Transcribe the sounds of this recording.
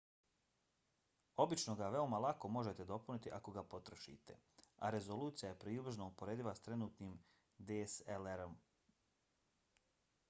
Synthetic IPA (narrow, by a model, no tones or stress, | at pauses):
o̞bit͡ʃno̞ɡaʋe̞omalˠako̞mo̞ʒe̞t̪e̞d̪o̞punit̪iʔako̞ɡapo̞t̪ɾoʃḭt̪e̞̰a̰ɾe̞zoluːt̪sijaje̞pɾeubr̩ʒnoupo̞ɾeːd̪iʋast̪ɾe̞nuːt̪niːm | d̪eːseleɾom